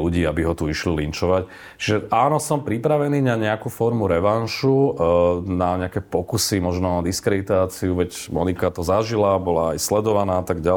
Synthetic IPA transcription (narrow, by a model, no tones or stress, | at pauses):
luɟiːabiɦɔt̪uiʃlilint͡ʃɔʋac | t͡ʃiʒɛʔaːnɔsɔmpɾipɾaʋɛniːɲaɲɛakufɔɾmuɾɛʋanʃu | naɲɛakɛpɔkusimɔʒnɔnad̪iskɾɛd̪it̪aːt͡siuʋɛɟmɔnikat̪ɔzaʒilabɔlaːjslɛd̪ɔʋanaːat̪aɡɟa